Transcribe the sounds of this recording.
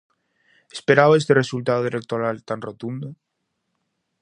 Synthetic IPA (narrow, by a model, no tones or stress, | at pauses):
espeɾaβaest̪ere̞sult̪aðoelek̚t̪oɾalt̪anrot̪und̪o